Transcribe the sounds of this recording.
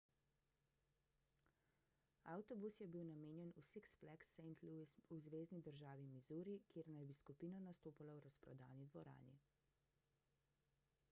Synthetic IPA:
a̰wt̪ɔbusjɛbiwnameːnjɛnusiksplɛksɛjnt̪luisuzʋeːznid̪əɾʒaːʋimizuːɾikjeːɾnajbiskupiːnɔnast̪oːpalawɾaspɾɔ̰d̪a̰ːwnid̪ʋɔɾa̰ːni

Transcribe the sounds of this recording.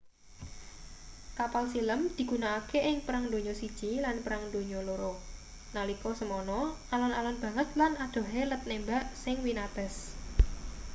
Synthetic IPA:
kapalsiləmd̪̥i̤ɡ̥ṳnaːkeʔɪŋpəɾaŋd̪o̤ɲɔsid̥ʒ̥ilanpəɾaŋd̪̥o̤ɲɔloɾɔ | nalikɔsəmɔnɔ | alɔnalɔnb̥ä̤ŋət̪̚lanad̪̥o̤ɦelət̪̚nembaʔsɪŋwinat̪ɛs

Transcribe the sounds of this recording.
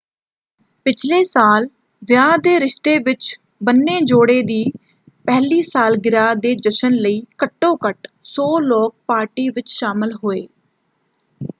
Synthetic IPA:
pɪt͡ʃʰleːsaːl | ʋjaːd̪eːɾɪʃt̪eːʋɪt͡ʃ | bənːeːd͡ʒoːɽeːd̪iː | pɛɦliːsaːlɡɪɾaːd̪eːd͡ʒəʃənləiːkəʈːõːkəʈsoːlɔːk̚paːɾʈiːʋɪt͡ʃʃaːmɪlɦoːeː

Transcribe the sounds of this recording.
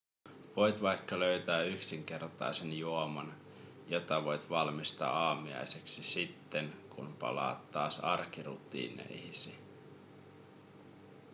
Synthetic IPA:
ʋo̞jt̪ʋɑjkːɑløɥt̪æːyksiŋk̟e̞rt̪ɑ̰jse̞njuomɑn | jo̞t̪ɑʋo̞jt̪ʋɑlmist̪ɑ̰ːɑːmiɑ̰jseksisit̪ːe̞ŋkʰunpɑ̰lɑ̰ːt̪ːɑːsɑrkirṵt̪ḭːnḛjhisi

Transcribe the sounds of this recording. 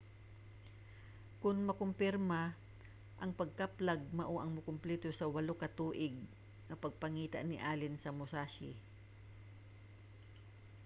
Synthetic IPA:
kʊnmɐkʊmpɪɾmɐ | ʔɐŋpɐɡ̚kaplaɡ̚mɐʔoʔɐŋmʊkʊmplɛːt̪osɐwɐlokɐt̪uːʔɪɡ̚ | ŋɐpɐɡ̚pɐŋiːt̪a̰ʔnɪʔaːlɪnsɐmʊsaʃɪ̰

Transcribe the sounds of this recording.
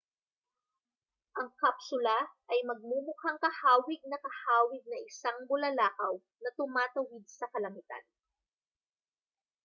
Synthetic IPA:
ʔɐŋkapsʊlaʔɐjmɐɡ̚mumʊhaŋkɐhaːwɪɡ̚nɐkɐhaːwɪɡ̚nɐʔɪsaŋbʊlɐlaːkɐw | nɐt̪ʊmaːt̪ɐwɪd̪̚sɐkɐlɐmɪt̪a̰n

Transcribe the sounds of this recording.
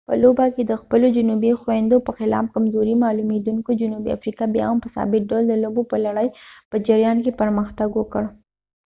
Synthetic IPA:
pə̰lobaked̪əxpəlod͡ʒʊnubixwnd̪opəxɪlɑ̰f̚kamzoɾimɑːlumed̪uŋkod͡ʒʊnubḭa̰fɾikabjɑ̰ɦampəsɑ̰bɪk̚ɖawld̪əlobopəlaɽəjpəd͡ʒaɾjɑnkepəɾməxt̪aɡwokəɽ

